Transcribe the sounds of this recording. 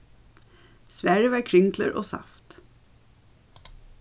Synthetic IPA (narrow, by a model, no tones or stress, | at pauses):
sʋæɹjəʋɑːɹkʰɹʏŋkʰlə̰ɹʔo̰ːsɑ̰ft̪